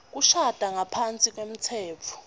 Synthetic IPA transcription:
k̬uʃad̥ʱaŋapʰant͡sʼik̬ʼwem̩t͡sʰɛːt͡fʰɔ̥

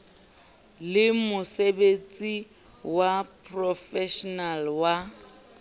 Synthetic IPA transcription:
lɪmʊsebet͡sʼi | wapʰʼrɔfɛʃɔnalwa

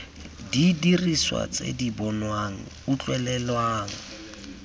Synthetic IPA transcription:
didiriswa̰t͡sʼḛdibɔnwaŋ̩ | ʊt͡ɬʼwɛlɛlwaːŋ̩

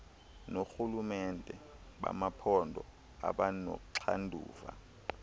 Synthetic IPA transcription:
noxulumɛndʱʼɛɓa̰mapʰɔndʱɔ | aɓano̰kǀʰandʱuːva̰

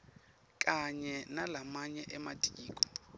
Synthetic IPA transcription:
kʼaɲɛnalamaɲɛʔɛmatʼiːkʼɔ̥

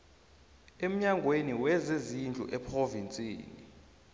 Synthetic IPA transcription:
em̩ɲaŋɡʱweniwɛzezind͡ɮʱṵʔɛpʰrovint͡sʼḭːnḭ

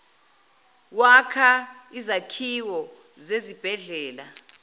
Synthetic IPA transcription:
wakʰa | izakʰiwɔ | zezib̥ʱɛɮɛːla

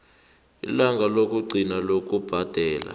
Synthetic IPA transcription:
ḭlaŋɡʱalok̬ʼuɡ͡ǀʱinalok̬ʼub̥ʱad̥ʱɛːla̰

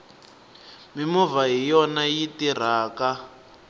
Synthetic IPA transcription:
mimɔvaɦijɔnajitir̤aːka

